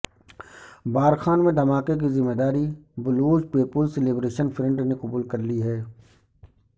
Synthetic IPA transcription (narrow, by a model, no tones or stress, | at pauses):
baːɾxaːnmẽd̪ɐmaːkek̬izɪmːeːd̪aːɾibʊluːd͡ʒpeːpʊlseleːbɾeːʃənfɾɪ̃ɳʈnekʊbuːlkɐɾliɦɛː